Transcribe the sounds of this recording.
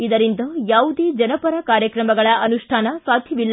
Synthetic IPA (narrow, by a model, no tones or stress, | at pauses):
id̪ɐɾind̪ɐjaːʋud̪eːd͡ʒɐnɐpɐɾɐkaːɾjɐkɾɐmɐɡɐɭɐʔɐnuʂʈʰaːnɐsaːd̪ʱjɐʋilː